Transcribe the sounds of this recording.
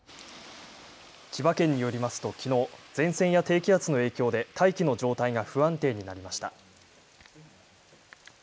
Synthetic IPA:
t͡ɕibakẽ̞ɲ̟ːijo̞ɾʲimasɨ̥t̪o̞kʲino̞ːd͡zẽ̞ɰ̃sẽ̞ɰ̃jat̪e̞ːkʲiat͡sɨno̞e̞ːkʲo̞ːd̪e̞t̪ʰaikʲino̞ʑo̞ːt̪aiŋaɸɯ̟ãnt̪e̞ːɲ̟inaɾʲimaɕi̥t̪a̰

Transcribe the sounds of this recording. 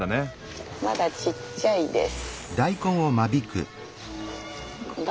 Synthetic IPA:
ane | ma̰d̪at͡ɕit͡ɕːaid̪ḛsɨ̥d̪aikõɰ̃omabʲikɯ̟̰

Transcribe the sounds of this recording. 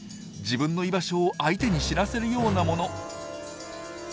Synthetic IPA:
d͡ʑibɯ̟̃nːo̞ibaɕo̞ːʔait̪e̞ɲ̟iɕiɾase̞ɾɯ̟jo̞ːnamo̞no̞

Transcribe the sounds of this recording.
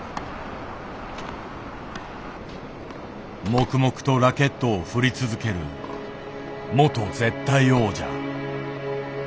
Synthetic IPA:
mo̞kɯ̟mo̞kɯ̥t̪o̞ɾake̞t̪ːo̞ːɸɯ̟ɾʲit͡sɨzɨke̞ɾɯ̟̰ | mo̞t̪o̞ze̞t̪ːaio̞ːd͡ʑa̰

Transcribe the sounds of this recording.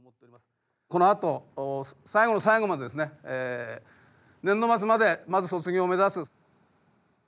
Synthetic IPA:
mot̪ːeoɾʲimasɨ̥ | ko̞noat̪o̞ | saiɡo̞no̞saiɡo̞mad̪e̞d̪esɨneeː | nẽnːo̞mat͡sɨmad̪e̞mazɨso̞t͡sɨɡʲoːme̞zasɨ

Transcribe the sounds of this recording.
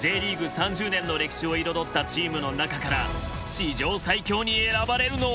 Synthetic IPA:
d͡ʑe̞ːɾʲiːɡɯ̟sãɲ̟d͡ʑɨːnẽ̞nːo̞ɾe̞kʲi̥ɕio̞iɾo̞d̪o̞t̪ːat͡ɕiːmɯ̟no̞nakakaɾa̰ | ɕid͡ʑo̞ːsaikʲo̞ːɲ̟ie̞ɾabaɾe̞ɾɯ̟no̞

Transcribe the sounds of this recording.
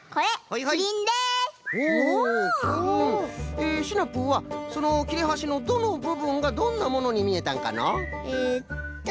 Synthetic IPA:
kʌehaiɦaiind̪eo | eɕʰinap͈ɯwasonokʲʰiɾeɦaɕinod̪onobɯbɯŋɡad̪onːamonoɲimie̞t̪͈a̰ŋka̰na̰e

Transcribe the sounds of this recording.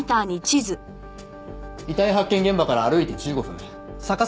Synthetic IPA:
t̪aːɲ̟it͡ɕizɨ | it̪aiɦakːẽ̞ŋɡẽ̞mbakaɾaːɾɯ̟it̪e̞t͡ɕɨːɡoɸɯ̟̃ŋ | saka

